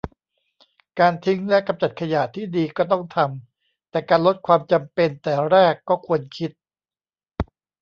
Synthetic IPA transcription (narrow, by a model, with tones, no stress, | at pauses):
kaː˧nt̪ʰi˦˥ŋlɛ˦˥ʔka˧mt͡ɕa˨˩t̪̚kʰa˧ja˨˩t̪ʰiː˥˩diː˧kɔː˥˩t̪ɔ˥˩ŋt̪ʰa˧m | t̪ɛː˨˩kaː˧nlo˦˥t̪̚kʰwaː˧mt͡ɕa˧mpe˧nt̪ɛː˨˩ɾɛː˥˩kːɔː˥˩kʰu˧ənkʰi˦˥t̪̚